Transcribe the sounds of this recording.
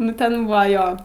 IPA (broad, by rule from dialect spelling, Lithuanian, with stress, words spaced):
ˈnʊ tʲɛn ˈbuːʋɐ ˈjoː